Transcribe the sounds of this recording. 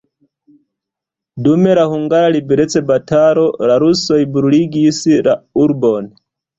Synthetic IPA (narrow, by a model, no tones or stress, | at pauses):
dume̞lahuŋɡaɾalibeɾet͡se̞bataɾo̞laɾuso̞jbɾuliɡisla̰uɾbo̞n